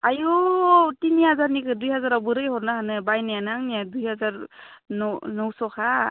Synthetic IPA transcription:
ajɔtinihazaɾnikʰɯdujhazaɾabɯɾɯjhɔɾnaɦanɯbajnajanaŋnijadujhazaɾnɔnɔwsɔkʰa

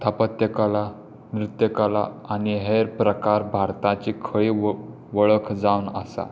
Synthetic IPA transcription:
t̪ʰapət̪jəkala | nɾut̪jəkala̰ːniɦeɾpɾəkaɾbʱaɾt̪ãt͡ɕikʰəɭiː | ʋəɭəkʰd͡zawnə̰sa̰

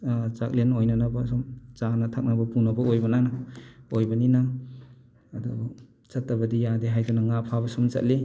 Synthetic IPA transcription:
t͡ʃak̚lenojnanabɐsumt͡ʃanɐtʰak̚nabɐpunɐbɐojbɐnanaojbɐninaː | dɔ | t͡ʃatːabɐdijadeɦajdunaŋapʰabɐsumt͡ʃa̰t̚li

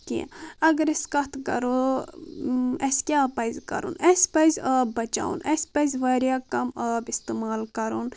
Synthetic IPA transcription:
kḭɐɡɐɾeskɐt̪ʰkɐ̰ɾu | ɐskʲaːpɐizʲkɐ̰ɾṵnɐspɐizʲɐbɐt͡ʃa̰ːṵnɐsʲpɐzʲʋɐɾjaːkɐmɐbist̪emaːlkɐɾuːn

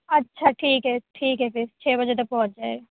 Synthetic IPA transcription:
ətːʃʰaːʈʰiːkɦɛːʈʰiːkɦɛːpʰɪɾt͡ʃʰeːbəd͡ʒet̪ək̚pɔ̃ːt͡ʃd͡ʒaːeɡa

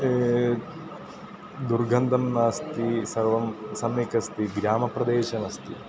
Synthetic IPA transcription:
d̪uɾɡʱɐnd̪ʱɐmnaːst̪isɐɾʋɐmsɐmːikɐst̪iɡɾaːmɐpɾɐd̪eːʃɐnɐst̪i

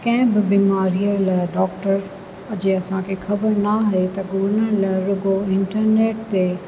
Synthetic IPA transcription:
kɐ̃ɦɪ̃bɪbiːmaːɾijəlɖɔːkʈəɾ | ɐd͡ʑeɐsãkʰexʰɐbəɾnaɦet̪ɐɡʊnəlɾʊɡoɪ̃ɳʈəɾneːʈ̚t̪e

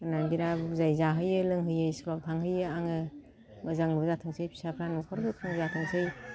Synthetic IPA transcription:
ɯnanbiɾabzajzaɦɯjɯlɯŋɦɯjɯjsbawtʰaŋɦɯjɯaŋɯ | mɯzaŋlɯbzatʰɯŋsɯjpʰi̥sapʰɾanukʰɔɾɡɯpʰaŋzatʰɯŋsɯj

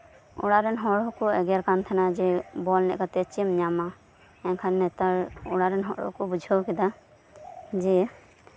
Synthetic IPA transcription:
ṵɽaɾɛnɦɔɽɔkɔɛɡɛɾkant̪ʰɛnad͡ʒɛbɔlnɛ̰ʔkat̪ɛt͡ʃimɲama | ɛŋkʰannːɛt̪aɾuɽaɾɛnɦɔ̰ɽɔ̰kɔbud͡ʒʱɔwkid̪a | d͡ʒɛ

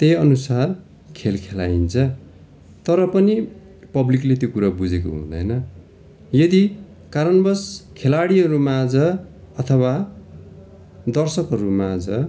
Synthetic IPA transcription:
t̪ejʌnusar | kʰelkʰela̰int͡sʰʌ | t̪ʌɾʌpʌni | pʌbliklet̪jokuɾabud͡zeko̰ɦṵ̃d̪ʌ̰jnʌ | jʌd̪i | kaɾʌnbʌskʰelaɽiɦʌɾumad͡zʌ | ʌt̪ʰʌwa | d̪ʌrsʌkɦʌɾumad͡zʌ

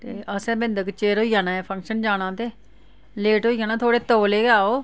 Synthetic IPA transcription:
t̪eːʔəsɛ̃ːbɪnd̪əkt͡ʃeːɾɦoːijaːnãːɛːpʰə̃ŋkʃənd͡ʒaːnãːt̪eː | leːʈoːiːaːnaːt̪ʰoːɽeːt̪oːleːɡaːoː

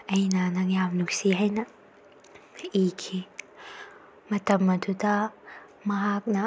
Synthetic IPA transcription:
ɐjnanɐŋjamnuk̚siɦɐjnɐ | ikʰi | mɐt̪ɐmːɐt̪ʰut̪a | mɐɦak̚na

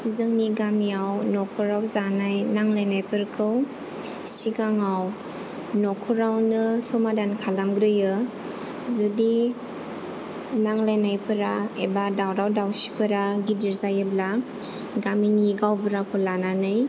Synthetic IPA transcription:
zɯŋniɡamiawnɔkʰuɾawzanajnaŋlajnajpʰɯɾkʰɯw | siɡaŋaw | nokʰuɾawnɯsɔmadankʰalamɡɾɯjɯ | zudi | naŋlajnajpʰɯɾaebadawɾawdawsi̥pɯɾaɡidiɾzajɯbla | ɡaminiɡawbɯɾakʰɯlananɯj

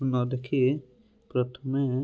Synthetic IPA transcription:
nɔd̪ekʰie | pɾət̪ʰəme

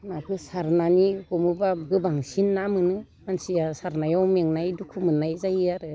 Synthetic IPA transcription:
nakʰɯsaɾnanikɔmɯbaɡɯbaŋsinːamɯnɯ | mansijasaɾnajawmeŋnajdukʰumɯnajzajiaɾɯ

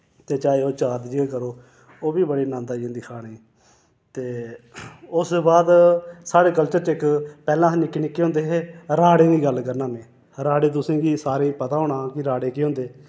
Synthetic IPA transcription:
t̪eːt͡ʃaːeːoːt͡ʃaːt̪d͡ʒiekəɾoː | oːbiːbəɽiːnãːnd̪aːd͡ʒẽːd̪ɪkʰaːɽeː | t̪eː | ʊsbaːd̪saːɽeːkəlt͡ʃəɾt͡ʃekpɛːlãːnɪkːnɪkːeːɦõnd̪eːɦeːɾaːɽẽːɡiːɡəlkəɾnãːmẽː | ɾaːɽeːt̪̬ʊsẽːɡiːsaːɾẽːpət̪aːɦoːɽɳãːkɪɾaːɽeːkeːɦõːnd̪eː

